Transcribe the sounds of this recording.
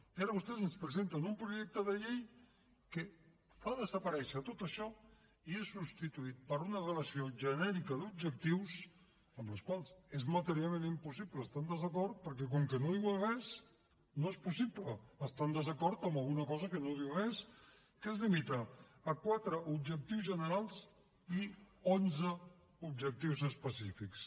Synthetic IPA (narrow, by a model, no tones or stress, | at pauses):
iaɾəβust̪ɛzənspɾəzent̪ənumpɾuʒɛk̚t̪əðəʎej | kə | faðəzəpəɾɛʃət̪ot̪əʃɔ | iesːupst̪it̪uit̪̚pəɾunərələsioʒənɛɾikəðub̚d͡ʒək̚t̪iws | əmləskwalˠsezmət̪əɾialˠmenimpusipləːst̪and̪əzəkɔɾt̪̚pəɾk̬ɛk̬ɔŋkənoðiwəɣɛs | noespusipləːst̪and̪əzəkɔɾt̪əməlˠɣunəkɔzəkənoðiwəɣɛs | kezlimit̪əːkwat̪ɾəub̚ʒək̚t̪iwzʒənəɾalˠs | ionzə | ub̚ʒək̚t̪iwzəspəsifiks